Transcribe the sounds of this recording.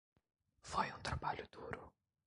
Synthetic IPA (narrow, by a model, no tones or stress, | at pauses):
fojũt̪ɾabaʎʊd̪̥uɾʊ